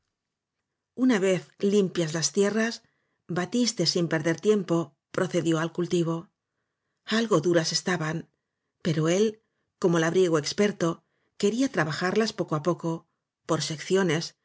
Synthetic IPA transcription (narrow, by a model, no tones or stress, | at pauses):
unaβe̞θlimpjazlast̪je̞ras | bat̪ist̪e̞simpe̞ɾðe̞ɾt̪je̞mpo̞ | pɾo̞θe̞ðjo̞alkult̪iβ̞o̞ | alɣo̞ðuɾase̞st̪aβan | pe̞ɾo̞e̞l | ko̞mo̞laβɾje̞ɣ̞oe̞kspe̞ɾt̪o̞ | ke̞ɾiat̪ɾaβaxaɾlaspo̞koapo̞ko̞ | po̞ɾse̞kθjo̞ne̞s